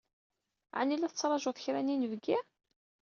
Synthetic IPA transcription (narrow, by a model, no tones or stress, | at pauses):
ʕa̰nilæθət͡sːɾˤɑʒʊθəçɾæninəvɡɪ